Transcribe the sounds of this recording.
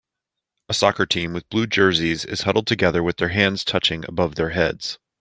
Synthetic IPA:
əsɑkɹətʰĩmwɨðblʉd͡ʒɜ˞zizɪ̰z̥hʌɾl̩ˠd̚tʰɨɡɛðə˞wɨðə˞ɦæ̃ndz̥tʰʌt͡ʃɪ̃ŋɨ̰bʌvðə˞ɦɛdz̥

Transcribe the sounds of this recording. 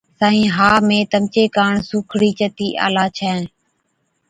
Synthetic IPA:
saːĩːɦaːmẽːt̪əmt͡ʃeːkaːɳsuːkʰɽiːt͡ʃət̪iːʔa̰ːlaːt͡ʃʰɛ̃ːn

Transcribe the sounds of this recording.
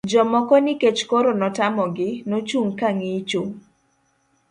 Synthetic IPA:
d͡ʒɔmɔkɔnɪket͡ʃkoɾonɔtamɔɡɪnot͡ʃuŋkaŋɪt͡ʃuŋ

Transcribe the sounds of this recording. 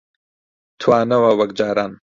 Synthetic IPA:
t̪ʰwaːnɐwɐwɐk̚d͡ʒaːɾaːn

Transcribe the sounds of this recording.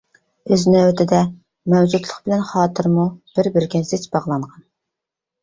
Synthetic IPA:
øzɪnɪøt̪ʰɪd̪ɛ | mɛwd͡ʒut̪lˠəχbɪlɛnχɑːt̪ʰɨɾmub̥ɪɾbɪɾkʲɛnsɪt͡ʃbɑʁlˠɑɴʁɑn

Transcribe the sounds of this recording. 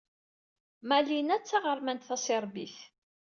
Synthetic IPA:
mælinæt͡sːaʁəɾˤmænt̪θæsɪɾˤbiθ

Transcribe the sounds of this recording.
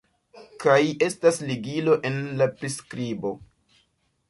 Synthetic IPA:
kaje̞stasliɡilo̞ʔe̞nlapɾiskɾibo̞̰

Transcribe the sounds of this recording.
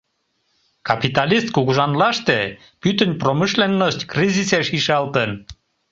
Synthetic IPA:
kɑpit̪ɑlist̪̚kuɣuʒɑnlɑʃt̪e | pyt̪ənʲpromiʃlenːoʃt̪ʲkriziseʃiʃɑlt̪ən

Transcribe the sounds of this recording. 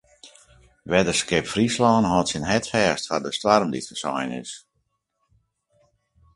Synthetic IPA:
ʋɛdəskɪpfrislɔːnɦɔtsinɦɛtfɛːstfardəstwarmdḭtfəsɔ̰jnɪ̰s

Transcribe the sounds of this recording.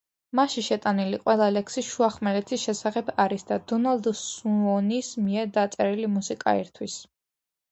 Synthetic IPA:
maʃiʃɛt̪ʼaniliqʼwɛlˠalɛksiʃuaχmɛɾɛt̪ʰisʃɛsaχɛbaɾisd̪ad̪ɔnalˠd̪suɔnismiɛɾd̪at̪sʼɛɾilimusikʼa̰ḭɾt̪ʰwis

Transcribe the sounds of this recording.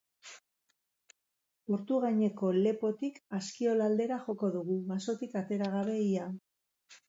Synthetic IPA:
po̞ɾt̪uɣaɲe̞ko̞le̞po̞t̪ikaskio̞lald̪e̞ɾaxo̞ko̞ðuɣ̞uɣaso̞t̪ikat̪e̞ɾaɣ̞aβe̞ia

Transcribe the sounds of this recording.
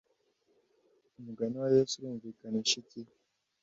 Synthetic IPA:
umuɡaniwajesuɾuːɱvikaniʃiti

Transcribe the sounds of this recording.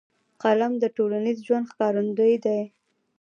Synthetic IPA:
qalamd̪əʈolanizʒwand̪xkɑɾund̪əjd̪aj

